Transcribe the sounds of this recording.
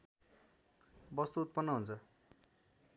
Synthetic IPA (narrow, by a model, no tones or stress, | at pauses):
bʌst̪uut̪̚pʌnːʌɦunt͡sʰʌ